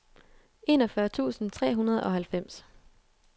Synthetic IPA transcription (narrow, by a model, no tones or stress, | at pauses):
e̝nɒ̽fɶɐt͡sʰṵːsn̩t͡sʰʁɛ̰ːɦunɐð̞̩ˠɒ̽ɦhælfem̰s